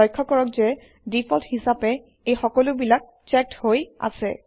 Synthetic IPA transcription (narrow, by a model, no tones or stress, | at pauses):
ɔjkʰːɔkɔɹɔkzɛ | dipʰɔlthisapɛ | ejxɔkɔlʊbilak̚ | t͡ʃɛk̚thoja̰sɛ̰